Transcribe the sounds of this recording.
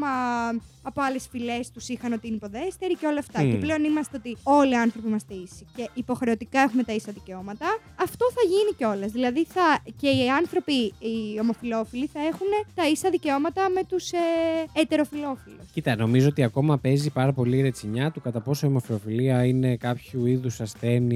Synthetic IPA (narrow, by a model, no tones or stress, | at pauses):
mɐ | ɐpo̞ɐle̞sfile̞st̪usixɐno̞t̪iinipo̞ðe̞st̪e̞ɾiceo̞lɐːft̪ɐceple̞o̞nimɐst̪e̞o̞t̪io̞liɐnθɾo̞piimɐst̪eisice̞ʔipo̞xɾe̞o̞t̪ikɐe̞xume̞t̪ɐisɐðice̞o̞mɐt̪ɐː | ft̪o̞θɐʝiniceo̞lezðilɐðiθɐce̞iɐnθɾo̞piio̞mo̞filo̞filiθɐe̞xune̞t̪ɐisɐðiceo̞mɐt̪ɐme̞t̪useet̪e̞ɾo̞filo̞filuscit̪ɐno̞mizoot̪iɐko̞mɐpe̞zipɐɾɐpo̞liɾet͡siɲɐt̪ukɐt̪ɐpo̞soio̞mo̞filo̞filiɐine̞kɐpçuiðusɐsθe̞ni